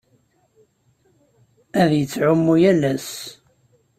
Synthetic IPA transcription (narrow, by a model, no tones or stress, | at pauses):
æðjət͡sːʕʊmːujælæs